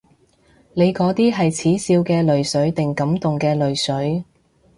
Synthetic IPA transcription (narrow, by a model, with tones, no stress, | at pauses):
ne˨˧jkɔː˨˥t̪iː˥ɦɐ˨jt͡sʰiː˨˥siː˧wkɛː˧lɵ˨ɥsɵ˨˥ɥt̪ɪ˨ŋkɐ˨˥mt̪ʊ˨ŋkɛː˧lɵ˨ɥsɵ˨˥ɥ